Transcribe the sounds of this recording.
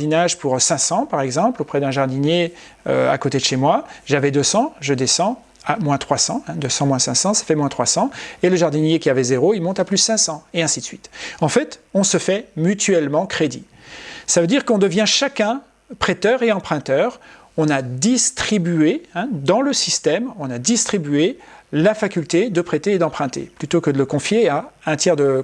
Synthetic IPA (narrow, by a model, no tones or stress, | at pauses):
inaʒpuʁsɛ̃sɑ̃paʁɛɡzɑ̃plopχɛd̪ɛ̃ʒaʁd̪inje | ø̰a̰kot̪ed̪əʃemwaʒavɛd̪øsɑ̃ʒəd̪esɑ̃ | amwɛ̃t̪χwasɑ̃ɛ̃d̪øsɑ̃mwɛ̃sɛ̃sɑ̃sḁfɛmwɛ̃t̪χwasɑ̃eləʒaʁd̪injekʲiavɛzeʁoilmɔ̃t̪aplyssɛ̃sɑ̃eɛ̃sid̪əsɥit̪ɑ̃fɛt̪ɔ̃səfɛmyt̪ɥɛlmɑ̃kχed̪ḭ | savød̪iʁkɔ̃d̪əvjɛ̃ʃakʲɛ̃ | pχet̪œʁeɑ̃pχɛ̃t̪œʁ | ɔ̃nad̪ist̪χibyeɛ̃d̪ɑ̃ləsist̪ɛmɔ̃nad̪ist̪χibyelafakʲylt̪ed̪əpχet̪eːd̪ɑ̃pχɛ̃t̪ḛplyt̪okəd̪ələkɔ̃fjeaɛ̃t̪jɛʁd̪ə